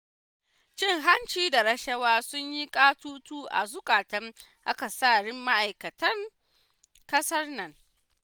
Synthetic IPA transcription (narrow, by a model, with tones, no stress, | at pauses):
t͡ʃɪ˦ŋɦa˦nt͡ʃiː˦da˨ɾɐ˦ʃɐ˦waː˦sʊ˦ɲji˦kʼaː˦tuː˦tuː˦ʔa̰˨zʊ˦kʼaː˨tɐ˦ŋ | ʔa˦ka˨saː˦˨ɽɪ˦mːa˦ʔa˨jkɐ˨tɐ˦ŋ | kʼɐ˦sɐ˦rnɐ˨ŋ